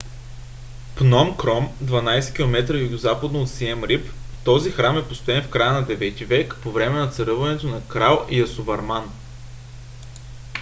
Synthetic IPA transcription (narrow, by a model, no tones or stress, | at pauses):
pnɔmkɾɔmd̪vɐnajsɛ̥kʲilˠomɛt̪ɾəjuɡozapɐd̪noːt̪siɛmɾipt̪ɔzixɾamɛpost̪ʊɛnfkɾajənɐd̪ɛvɛt̪ivɛkpovɾɛmɛnɐt̪sɐɾɤvɐnɛt̪onɐkɾalˠijɐsovɐɾman